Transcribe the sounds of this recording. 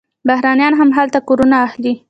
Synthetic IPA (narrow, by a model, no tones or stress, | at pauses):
bahɾɑnjɑnɦamɦalt̪akoɾunaːxli